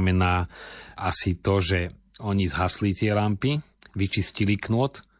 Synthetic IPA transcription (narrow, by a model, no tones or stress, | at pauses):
mɛnaːʔasit̪ɔʒɛ | ɔɲizɦaslit̪ɪɛlampi | ʋit͡ʃisciliknʊɔt̪